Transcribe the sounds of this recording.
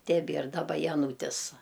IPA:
tʲɛˈbʲiɛr dɐˈbɐ jɛˈnuːtʲɪs

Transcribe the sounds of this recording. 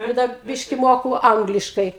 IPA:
ˈɪr dɐr ˈbʲɪʃʲkʲɪ ˈmoːkʊ ˈɐŋɡlʲɪʃkɐɪ

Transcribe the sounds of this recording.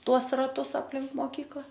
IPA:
ˈtuɔs rɐˈtʊs ɐpʲˈlʲɪŋk moːˈkʲiːklˠɐ

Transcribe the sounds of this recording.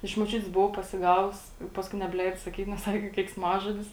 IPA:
ɪʃ moːˈt͡ʃʲʊtʲeːs bʊˈʋɐʊ pɐsʲɪˈɡɑːʋʊs ɪ ˈpɑːskʊɪ nʲɛbʲˈlʲɛɪdoː sɐˈkʲiːt nʲɛs ˈsɑːkʲɪ kʲɛɪksˈmɑːʒoːdʲɪs

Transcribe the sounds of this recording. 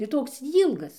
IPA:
ɪr ˈtoːks ˈiːlˠɡɐs

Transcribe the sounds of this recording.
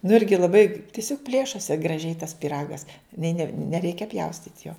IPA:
nʊ ˈɪrʲɡʲɪ lˠɐˈbɐɪ tʲɪˈsʲoːk ˈpʲlʲeːʃoːsʲɪ ɡrɐˈʒʲɛɪ tɐs pʲiːˈrɑːɡɐs nʲɪ nʲɛ nʲɛˈrʲɛɪkʲɛ ˈpʲjɛʊsʲtʲiːtʲ joː

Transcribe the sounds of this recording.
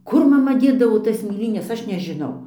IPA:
ˈkʊr mɐˈmɐ ˈdʲeːdɐʋoː tɐs mʲeːˈlʲiːnʲɛs ˈɐʃ nʲɛʒʲɪˈnɐʊ

